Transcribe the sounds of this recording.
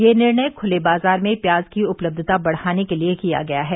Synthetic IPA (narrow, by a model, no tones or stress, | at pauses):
jeːnɪɾɳəjkʰʊlebaːzaːɾmẽpjaːzkiʊpləb̚d̪ʱət̪abɐɽ̤haːnekeliekija̰ɡɐjaɦɛː